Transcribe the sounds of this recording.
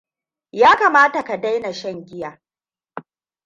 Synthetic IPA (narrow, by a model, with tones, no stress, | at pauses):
jaː˦kaː˨maː˦ta˨ka˨da˦jna˨ʃɛ˦˨ŋɡʲɪ˦jaː˨